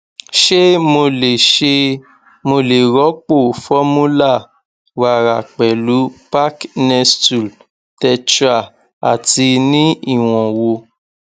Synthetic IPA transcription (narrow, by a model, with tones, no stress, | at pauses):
ʃe˦mo˧le˨ʃe˧ | mo˧le˨ɾɔ˨˦k͡po˦˨fɔ˦mũ˦la˦˨ | wa˨ɾa˨k͡pɛ˨lu˨˦pa˦knɛ˧stu˨l | tɛ˧t͡ʃɾa˨ | a˨ti˧nĩ˦i˦˨w̃ɔ̃˨wo˧